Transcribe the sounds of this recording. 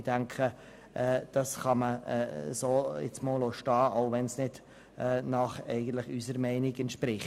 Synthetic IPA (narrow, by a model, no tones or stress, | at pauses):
d̥æŋkʰχə | ʔɛːd̥ɑsχɑmə̰soːɪ̰t͡smoːloʃtɑːʔaʊvɛnsnɪd̥ | ɛnɑχɛ̰ɪɡən̩tlɪχysəɾmɛɪnɪɡɛntʃpɾɪχ